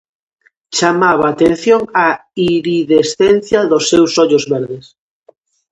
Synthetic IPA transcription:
t͡ʃamaβaːt̪enθjoŋaiɾiðesθɛnθjaðosːewsɔʎʊzβɛɾðes

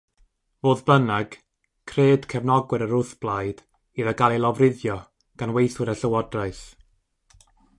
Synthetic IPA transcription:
voːðbənaɡ̥ | kʰreːd̥kʰɛvnɔɡwɛɾəɾʊθb̥lˠajd̥ | iðəɡalˠilˠɔvrɪðjɔ | ɡ̥anwejθwɨɾəɬəwɔdraɨθ

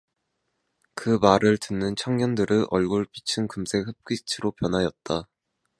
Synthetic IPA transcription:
kɯmaɾɯɭtɯnːɯnt͡ɕʰaŋɲʌndɯɾɯʔʌɭɡoɭp͈it͡ɕʰɯnkɯmsʰe̞hɯp̚k͈it͡ɕʰiɾopjʌnɦajʌt̚t͈a

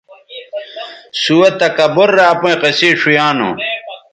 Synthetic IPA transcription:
suwɐt̪ɐkɐboɾːaːpõĩqesiːʂujaːno̰

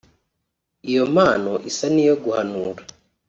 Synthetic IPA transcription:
ijo̞maːno̞ʔisanijo̞ɡuhanuːɾa

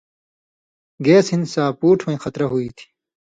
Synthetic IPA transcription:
ɡeːshinsaːpuːʈʰwɐ̃ĩxɐt̪ɾɐɦuiːt̪ʰi̥

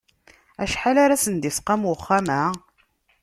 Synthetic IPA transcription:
æʃħalaɾasənd̪isqɑmwəχːamæ

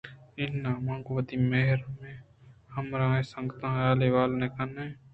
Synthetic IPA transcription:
ɪnːaːmãŋɡʋəd̪imeɦɪɾmẽ | həmɾãːẽsəŋɡt̪ãːjaːleːʋaːlnekənẽː

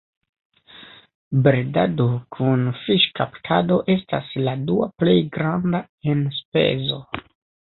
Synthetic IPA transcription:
bɾeda̰dokʰunfiʃkaptʰado̞ʔe̞stasladuaple̞jɡɾanda | enspe̞̰zo̞

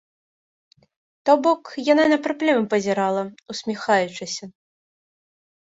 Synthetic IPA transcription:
t̪ɔbɔkjananɐpɾaplʲɛmɐpɐzʲɛɾalˠɐusʲmʲixajut͡ʂɨsʲɐ

